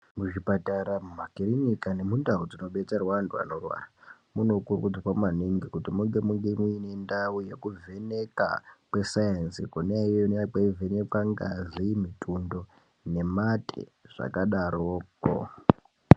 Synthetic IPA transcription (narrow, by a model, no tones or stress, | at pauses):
muʐipataɾamumakirinikane̞mundaud͡zino̞ɓe̞t͡saruwandua̰no̞rwa̰ramuno̞kurkud͡zakwamaniŋɡikutimuŋɡe̞muŋɡemuine̞ndaujekuvʱe̞ne̞ka̰kwe̞sajansikoneaijojnakevʱene̞kwaŋɡa̰zimitʰundo̞ | ne̞matʰḛʐ̥a̰kaɗaɾoːko̰